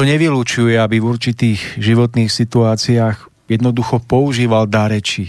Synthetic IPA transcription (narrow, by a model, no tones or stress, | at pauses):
ɔɲɛʋilut͡ʃujɛabivuɾt͡ʃit̪iːɣʒiʋɔt̪niːxsit̪uaːt͡siaːx | jɛd̪nɔd̪uxɔpɔuʒiːʋald̪aɾɛt͡ʃi